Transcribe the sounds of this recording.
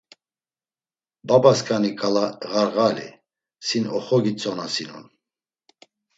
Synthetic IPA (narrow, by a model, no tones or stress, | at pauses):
babaskʼanikʼalaɣaɾɣalḭ | sinɔχɔɡit͡sʼɔnasinṵn